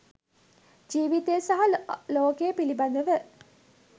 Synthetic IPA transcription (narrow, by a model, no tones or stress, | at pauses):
d͡ʒiːʋit̪ejəsaɦaloːkejəpiliband̪əʋə